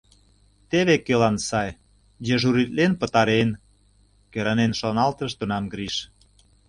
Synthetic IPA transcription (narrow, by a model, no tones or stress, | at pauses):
t̪eβekelɑnsɑj | jĕʒuɾit̪lenpə̆t̪ɑɾen | køɾɑnenʃonɑlt̪əʃt̪unɑmɡɾiʃ